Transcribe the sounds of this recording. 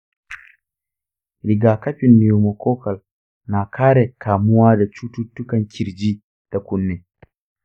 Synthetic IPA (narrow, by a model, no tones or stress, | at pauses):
ɾiɡakapinːiwumɔkɔːkal | naːkʰaɾɛkʰaːmuwadɛt͡ʃututːukankʰiɾd͡ʒi | d̥akunːɛ